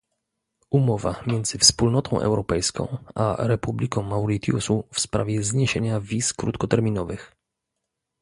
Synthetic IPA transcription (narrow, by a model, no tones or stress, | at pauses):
umɔva̰mʲjɛnd̪zɘfspulnɔt̪ʰɔ̃w̃ʔɛ̰wɾɔpɛjskɔ̰̃w̃ʔa̰ɾɛpublʲikɔ̃w̃mawɾit̪jṵsufspɾa̰vʲjɛzɲeɕeɲavʲiskɾut̪kɔt̪ɛɾmʲinɔvɘx